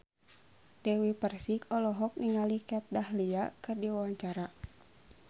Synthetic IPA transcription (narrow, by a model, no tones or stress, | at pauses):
dɛwipərsikɔlɔɦɔk̚niŋalikɛt̪̚dahliakɨrdiwawaɲt͡ʃaɾa